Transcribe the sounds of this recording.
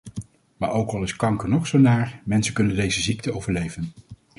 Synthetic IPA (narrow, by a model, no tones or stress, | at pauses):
maːɹowkɑlˠɪskɑŋkənɔχsownaːɹmɛnsəkɵnəndejzəzik̚təowvəɹlejvən